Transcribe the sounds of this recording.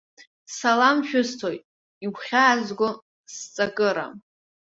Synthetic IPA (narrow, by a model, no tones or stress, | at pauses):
salamʃᶣʊstʰo̞jtʼ | iɡʷʰχʲaːzɡʷʊ | st͡sʼakʼɨɾa̰